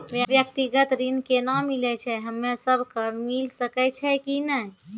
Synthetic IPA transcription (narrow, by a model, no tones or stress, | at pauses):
ʋjʋjək̚t̪iɡət̪ɾinkenamilɛt͡ʃʰɛɦəmːesəbʱkəmilsəkɛt͡ʃʰɛkinə